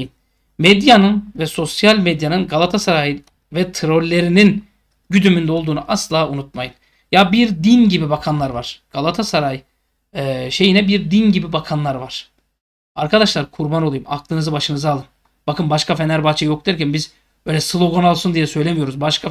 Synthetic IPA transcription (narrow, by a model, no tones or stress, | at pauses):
n | mɛd̪janɯnvɛso̞sjalʲmed̪janɯnɡalˠat̪ʰasaɾajɯ | vɛt̪ʰɯɾo̞lʲlʲe̞ɾinin | ɟyd̪ymynd̪ɛo̞lˠd̪uːnuʔaslˠaːunut̪̚majɯn | jabiɾd̪inɟibibakʰanlˠaɾvaɾ̥ɡ̥alˠat̪ʰasaɾaj | ɛːʃe̞jinɛbiɾd̪inɟibibakʰanlˠaɾvaɾ̥ | aɾkʰad̪aʃlˠaɾkʰuɾbano̞lˠujumaklˠɯnɯzɯbaʃɯnɯzalˠɯm | b̥akʰɯnbaʃkafenæɾbaːt͡ʃʰɛjo̞k̚d̪æɾcʰænbiz | bø̞jlʲɛsɯlˠo̞ɡo̞nalˠsund̪ijɛsø̞jlʲemijo̞ɾuzbaʃkʰa